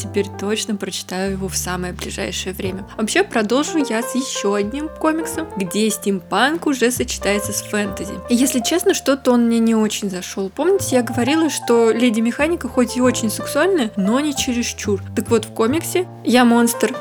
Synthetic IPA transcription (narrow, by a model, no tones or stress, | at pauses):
tʲɪpʲeɾʲt̪o̞t͡ɕnəpɾət͡ɕɪ̥t̪ajʊjɪvo̞fsaməjəblʲɪ̰ʐa̰jʂɨjəvɾʲemʲəvɐpɕːe̞pɾɐd̪o̞lˠʐʊjasjɪɕːoɐdʲnʲimko̞mʲɪksəmɡdʲesʲtʲɪmpankʊʐɛsət͡ɕɪ̥t̪ajɪt̪səsfɛnt̪ɨzʲɪ̰jɪjesʲlʲɪt͡ɕe̞snəʂt̪o̞t̪əonmnʲenʲɪo̞t͡ɕɪnʲzɐʂo̞lˠpo̞mnʲɪtʲɪjaɡəvɐɾʲilˠəʂt̪o̞lʲedʲɪmʲɪxanʲɪkəxo̞tʲɪo̞t͡ɕɪnʲsɪksʊalʲnəjəno̞nʲɪt͡ɕɪɾʲɪʂt͡ɕurt̪əkvo̞t̪fko̞mʲɪksʲɪ | jamo̞nst̪ər